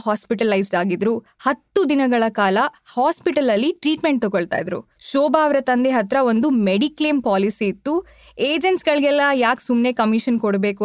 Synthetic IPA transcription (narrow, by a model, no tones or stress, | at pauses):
ɦaːspiʈɐlɐjsɖaːɡid̪ɾu | hɐt̪ːud̪inɐɡɐɭɐkaːlɐhaːspiʈɐlɐlːiʈɾiːʈme̞ɳʈ̚t̪oɡoɭt̪a̰ːjd̪ɾṵ | ʃɔːbaːʋɾɐt̪ɐnd̪eɦɐt̪ɾɐo̞nd̪umeɽiklempaːlisiːt̪ːu | eːd͡ʒenʈsɡɐɭiɡɛlːɐjaːksumne̞kɐmiʃɐnkoɽbe̞ːku